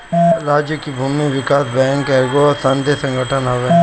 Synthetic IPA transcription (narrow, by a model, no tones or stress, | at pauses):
ɾaːd͡ʒjəkibʱuːmiʋɪkaːsbɛ̃ːŋkɛɡosɐ̃nd̪ʱesɐ̃ŋɡəʈʰənɦoʋe